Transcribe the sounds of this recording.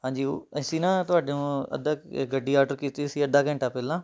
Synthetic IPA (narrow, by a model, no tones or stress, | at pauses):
ɦãːɲd͡ʑiɐsinãt̪ʊʋaːɗiũɐ̰d̪ʱaɡɐɖiaːɾɖəɾkit̪isiɐd̪ʱakɐ̃ɪɳʈapelãː